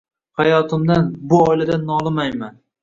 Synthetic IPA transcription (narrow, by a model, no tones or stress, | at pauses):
hajɒt̪ʰɪmd̪anbʊɒjlad̪anːɒlˠɪmajman